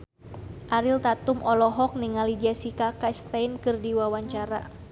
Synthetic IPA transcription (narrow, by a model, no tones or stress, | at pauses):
ʔaɾilt̪at̪umʔɔlɔɦɔk̚niŋalidiasikakast̪ainkɨrdiwawaɲt͡ʃaɾa̰